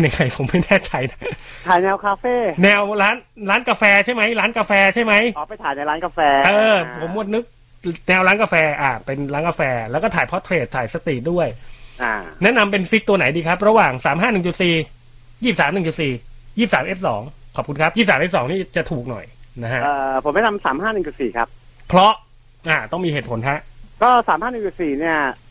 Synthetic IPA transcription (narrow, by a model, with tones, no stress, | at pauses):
ja˨˧ŋa˧jpʰo˨˩˦mːa˥˩jnɛː˥˩t͡ɕʰa˧jna˦˥ | t̪ʰaː˨˩˦jnɛː˧wkʰaː˧feː˥˩nɛː˧wɾaː˦˥nɾaː˦˥nkaː˧fɛː˧t͡ɕʰa˥˩jma˦˥jɾaː˦˥nkaː˧fɛː˧t͡ɕʰa˥˩jma˦˥jːpa˧jt̪ʰaː˨˩˦jna˧jɾaː˦˥nkaː˧fɛː˧ʔɤː˧pʰo˩˦mːu˧˩ət̪̚nɯ˦˥k̚ | nɛː˧wɾaː˦˥nkaː˧fɛː˧ʔaː˨˩pe˧nɾaː˦˥nkaː˧fɛː˧lɛ˦˥kɔː˥˩t̪ʰaː˩˦jpʰɔ˦˥t̪ʰːɾeː˨˩t̪ʰːaː˩˦jsa˧t̪i˨˩du˥˩əjʔa˧˩nɛ˦˥ʔna˧mpe˧nfi˦˥k̚t̪u˧ɐna˨˩˦jdiː˧kʰa˦˥p̚ɾa˧waː˨˩ŋsaː˩˦mɦaː˥˩nɯ˨˩ŋt͡ɕu˨˩t̪̚siː˨˩ | jiː˥˩p̚saː˩˦mnɯ˨˩ŋt͡ɕu˨˩t̪siː˨˩jiː˥˩p̚saː˩˦mʔe˦˥p̚sɔ̰ː˩˦ŋkʰɔː˨˩p̚ku˧nkʰa˦˥jiː˥˩p̚saː˩˦mʔeː˦˥psɔː˩˦ŋniː˥˩t͡ɕa˨˩t̪ʰuː˨˩k̚nɔ̰˨˩jna˦˥kʰa˦˥ʔɤː˧pʰo˨˩˦ma˥˩na˧msaː˩˦mhaː˥˩nɯ˨˩ŋt͡ɕu˨˩t̪siː˨˩kʰa̰˦˥p̚pʰɾɔ˦˥ʔ | ʔaː˨˩t̪ɔ˥˩ŋmiː˧heː˨˩t̪̚pʰo˩˦nkʰa˦˥ʔkɔː˥˩saː˩˦mhaː˥˩nɯ˨˩ŋt͡ɕu˨˩t̪̚siː˨˩ni˥˩ɐ